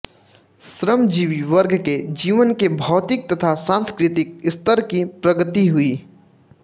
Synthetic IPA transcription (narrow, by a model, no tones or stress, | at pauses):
sɾəmd͡ʒiːʋiʋəɾɡked͡ʒiːʋənkebʱɔːt̪ɪk̚t̪ɐt̪ʰasãːnskɾɪt̪ɪk̚ɪst̪əɾkipɾɐɡət̪iɦʊiː